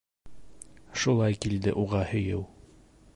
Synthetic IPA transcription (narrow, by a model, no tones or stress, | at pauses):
ʃulˠɑjkild̪ɘʔuʁɑhɵ̆jɘw